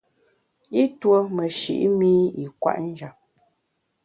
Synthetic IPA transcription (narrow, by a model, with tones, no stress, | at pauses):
i˦two˦mə˨ʃḭ˨ʔi˦mi˦i˨kwa̰˦ʔn̩˦d͡ʒa˨p̚